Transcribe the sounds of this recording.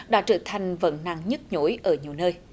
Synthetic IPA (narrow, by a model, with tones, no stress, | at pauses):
ɗa̰ː˧˥t͡ɕəː˧˩t̪ʰa˨˩jŋ̟və̰˧˥nna̰ː˧˨ŋɲə˦˥t̚ɲo˧˦jʔəː˧˩ɲi˨əwnəː˧j